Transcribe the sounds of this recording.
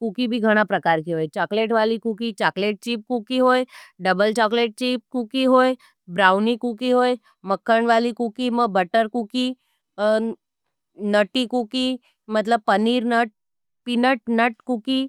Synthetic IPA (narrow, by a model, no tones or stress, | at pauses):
kukibʱiɡʱəɽ̃apɾəkaːɾkiɦoːet͡ʃaːkleːʈʋaːlikukit͡ʃaːkleːʈ̚t͡ʃiːp̚kukiɦoːjɖəbəlt͡ʃakleːʈ̚t͡ʃiːp̚kukiɦoːe | bɾaːʊnikukiɦoːe | məkʰːəɳʋaːlikukiməbəʈəɾkuki | nəʈikuki | mət̪ləb̚pəniːɾnəʈ̚ | pinəʈ̚nəʈ̚kuki